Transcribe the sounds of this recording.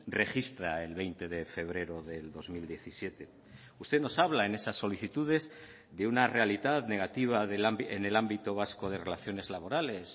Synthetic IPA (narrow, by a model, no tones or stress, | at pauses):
re̞xist̪ɾaelβe̞jnt̪e̞ðe̞fe̞β̞ɾe̞ɾoðe̞ld̪o̞zmild̪je̞θisje̞t̪e̞ | ust̪e̞no̞saβ̞laene̞sasːo̞liθit̪uð̞e̞z | ðeunare̞alit̪aðne̞ɣ̞at̪iβ̞aðelaene̞lambit̪o̞β̞askoð̞e̞re̞laθjo̞ne̞zlaβo̞ɾale̞s